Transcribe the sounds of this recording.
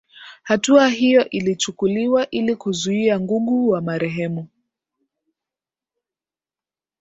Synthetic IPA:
hatuaɦijɔʔilit͡ʃukuliwaʔilikuzuiaŋɡuɠuwamaɾɛɦɛmu

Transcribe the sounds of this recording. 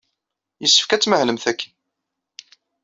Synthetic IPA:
jəsːə̥fkæt͡sːməhləmθækːən

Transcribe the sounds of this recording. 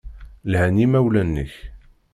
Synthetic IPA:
lhænimæwlænːə̰ç

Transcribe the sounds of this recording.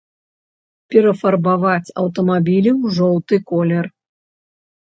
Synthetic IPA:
pʲɛɾɐfɐrbavat͡sʲɐ̰wt̪ɐmabʲilʲiwʐɔwt̪ɨkɔlʲɛr

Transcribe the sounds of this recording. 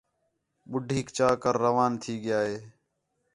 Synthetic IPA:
ɓʊɖʱiːkt͡ʃaːkəɾːəʋaːnt̪ʰiːɠɪjaːɦeː

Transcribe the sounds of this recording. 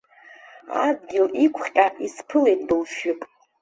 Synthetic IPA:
a̰d̚ɡʲɪlikʷʰχʲʼaʔispʰɨlejtʰʼdɨlʃɪpʼ

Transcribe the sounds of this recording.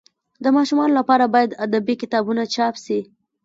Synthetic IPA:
d̪əmɑʃumɑnolapɑɾabɑjad̪ad̪abikɪt̪ɑbunat͡ʃɑpʃi

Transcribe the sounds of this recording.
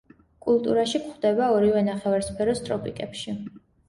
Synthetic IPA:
kʼulˠt̪ʼṵɾaʃikχd̪ɛbaɔɾivɛnaχɛvaɾspʰɛɾɔst̪ʼɾɔpʼikʼɛpʃi

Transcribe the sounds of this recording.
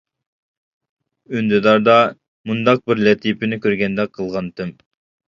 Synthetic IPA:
ynd̪ɪd̪ɑɾd̪ɑ | mund̪ɑq̚bɪɾlɛt̪ʰipɪnɪkʲøɾɡʲɛnd̪ɛqʰːəlˠʁɑnt̪ʰɨm

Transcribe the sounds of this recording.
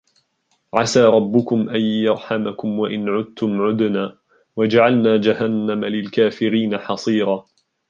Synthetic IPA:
ʕasaːɾˤɑbːʊkʊmʔajjɑɾˤħamakʊmwaʔɪnʕʊd̪̚t̪ʊmʕʊd̪naː | wad͡ʒaʕalnaːd͡ʒahanːamalɪlkaːfɪɾiːnaħɑsˤiːɾɑː

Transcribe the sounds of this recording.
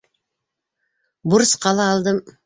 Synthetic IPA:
bʊɾəsqʰɑlˠɑːlˠd̪əm

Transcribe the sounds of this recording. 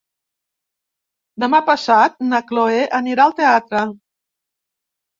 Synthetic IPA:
d̪əmapəsat̪̚nakloeʔəniɾaəlˠt̪eat̪ɾə

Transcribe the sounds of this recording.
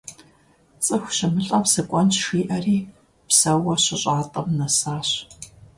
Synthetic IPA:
t͡sʼɨxʷɕɐmɨɬʼɐpsɐkʷʼɔnt͡ʃʂiːʔɐriː | psɐwɐɕɪɕʼaːtʼɐmnɐsaːɕ

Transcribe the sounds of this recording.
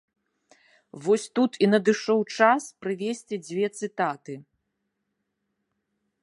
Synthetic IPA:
vɔsʲt̪ut̪ʰinɐd̪ɨʂɔwt͡ʂaspɾɨvʲesʲt͡sʲid͡zʲvʲɛt̪sɨt̪at̪ɨ

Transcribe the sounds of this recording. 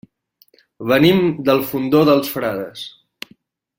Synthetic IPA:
βənimd̪əlˠfund̪oðəlˠsfɾaðəs

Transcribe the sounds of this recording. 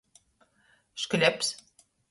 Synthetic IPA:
ʃkɘ̆lʲeps

